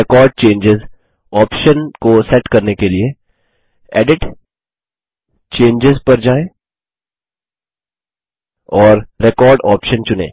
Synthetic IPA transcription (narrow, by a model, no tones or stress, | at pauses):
ɛkɔːɾɖ̚t͡ʃẽːɲd͡ʒɪz | ɔːpʃənkosɛʈkɐɾnekelie | ɛ̰ːɖɪʈ | t͡ʃẽːɲd͡ʒɪzpɐɾd͡ʒaːe | ɔːɾːekɔːɾɖɔːpʃə̃nt͡ʃʊnḛː